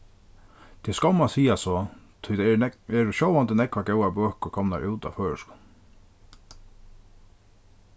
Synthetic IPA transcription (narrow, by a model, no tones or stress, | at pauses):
t̪ʰɛskawmasiːasɔt̪ʰʊjt̪ɛɾʊʃɔwʋant̪ənɛkʋaɡɛwabøːhkʏkʰɔmna̰ɹʔɪwt̪a̰føːɻəskʊ̥n